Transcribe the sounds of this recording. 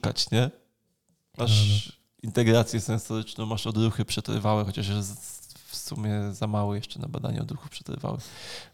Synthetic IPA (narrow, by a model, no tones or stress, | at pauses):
ka̰t͡ɕɲɛ | maʂ | int̪ɛɡɾat̪sʲjɛsɛ̃nsɔɾɘt͡ʂnɔ̃w̃maʂɔd̪ɾuxɘpʂɛt̪ɾɘ̰vawɛxɔt͡ɕaʂzfsumʲjɛzamawɔjɛʂt͡ʂɛna̰ba̰d̪a̰ɲɛ̰ɔ̰d̪ɾuxupʂɛ̥t̪ɾɘ̰va̰wɛ̰